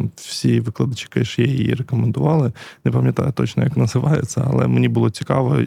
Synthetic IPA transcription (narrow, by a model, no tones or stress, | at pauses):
wsʲiʋɪklˠɐd̪ɐt͡ʃi̥kɐʃjɛjjḭrɛkomend̪ʊʋɑlˠɪnɛpɐmʲjɐt̪ɑ̰jʊt̪ɔt͡ʃnɔjɐknɐzɪʋɑjḛt͡sʲːɐɐ̰lˠɛ̰mnʲibʊlˠɔt͡sʲi̥kɑʋɔ